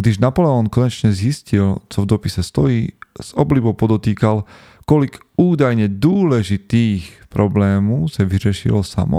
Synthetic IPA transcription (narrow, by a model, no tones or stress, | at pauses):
ɡd̪iʒnapɔlɛɔnkɔɲɛt͡ʃɲɛzjiscilt͡sɔvd̪ɔpisɛst̪ɔjiːz̥ɔblibɔʊpɔd̪ɔt̪iːkal | kɔlik | uːd̪ajɲɛd̪ɔːlɛʒit̪iːxpɾɔblɛːmɔʊsaʋiɾɪɛʃḭlɔsa̰mɔ̰